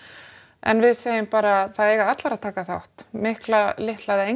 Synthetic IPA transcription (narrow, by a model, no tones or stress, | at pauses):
ɛ̰nvɪðseːjɪmpaːɾaθaðeːjɣaat̪laɾaðt̪ʰaːkaθa̰wht̪mɪhklalɪht̪lajðɪe